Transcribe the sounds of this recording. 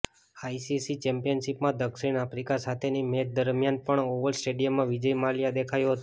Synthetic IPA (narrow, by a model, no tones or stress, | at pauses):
aisisit͡ʃɛmpijənʃipmãd̪əkʃiɳafɾikasat̪ʰenimed̪əɾmjanpəɳoʋəlsʈeɖijəmːãʋid͡ʒəjmaljad̪ekʰajoɦət̪o